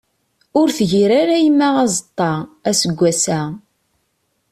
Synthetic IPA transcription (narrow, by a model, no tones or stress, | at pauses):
ʊɾθʝiɾaɾæjəmːææzˤət̪ˤːɑʁæsəɡʷːæsæ